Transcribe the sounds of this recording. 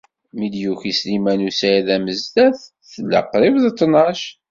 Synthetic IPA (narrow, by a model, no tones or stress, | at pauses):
mid̪juçislimænusæðæməzt̪æθ | θəlːə̰qːɾˤɪvðt̪ˤːnɑʃ